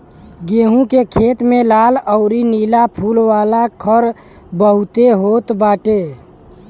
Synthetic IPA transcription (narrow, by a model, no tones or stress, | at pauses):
ɡeːɦũkekʰeːt̪mẽlaːləʊɾiniːlapʰulwaːlakʰəɾ | bəɦʊt̪eɦoːt̪baːʈe